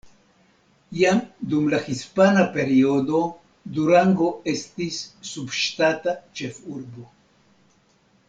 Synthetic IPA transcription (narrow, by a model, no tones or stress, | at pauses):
jamd̪umlaxispanape̞ɾiod̪o̞ | d̪uɾaŋɡo̞estisːubʃtat̪at͡ʃe̞fuɾbo